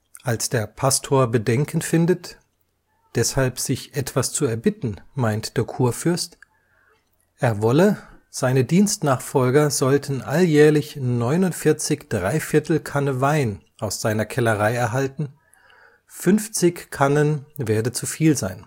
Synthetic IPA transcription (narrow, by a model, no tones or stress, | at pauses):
ʔalsd̥eːɐpʰastʰoːɐbədɛŋkʰən̩fɪndət | d̥ɛshalpz̥ɪçʔɛtv̥ast͡suɛɐbɪtn̩maɪntd̥eːɐkʰuːɐfʏɐst | ʔeːɐvɔləz̥aɪnədiːnstnaːχfɔlɡɐzɔltʰn̩ʔaljɛːɐlɪçnɔʏnʊntfɪɐt͡sɪçd̥ʁaɪfɪɐtl̩kʰanəvaɪn | ʔaʊsz̥aɪnɐkʰɛləʁaɪɛɐɦaltn̩ | fʏnft͡sɪçkʰanənveːɐdənt͡sufiːlzaɪn